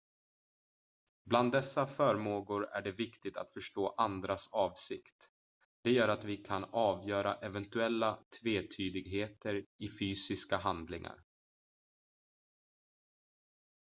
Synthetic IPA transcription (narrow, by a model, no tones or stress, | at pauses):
bland̪ːɛsːafœːɾmoːɡʊɾæ̰ɖɛvɪkt̪ɪɡ̚t̪ʰa̰t̪fœʂʈoːʔand̪ɾasɑːvsɪkt̪ | d̪̥ɛjœːɾat̪vɪkʰanɑːvjœːɾaʔɛvɛnt̪ɵɛlːat̪ʰveːt̪ʰyːd̪ɪɡɦeːt̪əɾɪfyːsɪskaɦand̪lɪŋa̰ɾ